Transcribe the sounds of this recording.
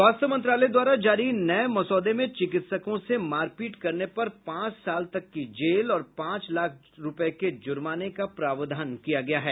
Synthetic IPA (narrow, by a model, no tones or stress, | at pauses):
ʋaːst̪əmɐ̃nt̪̬ɾaːləjd̪waːɾad͡ʒaːɾinɐemɔsɔːd̪emẽt͡ʃɪkɪt̪səkõsemaːɾkiːʈkɐɾnepɐɾpãːt͡ʃsaːlt̪ɐkːid͡ʒeːlɔːɾpãːt͡ʃlaːk̚ʰ | ɾʊpəked͡ʒʊɾmaːnekapɾaːʋd̪ʱaːnkijaɡɐjaɦɛː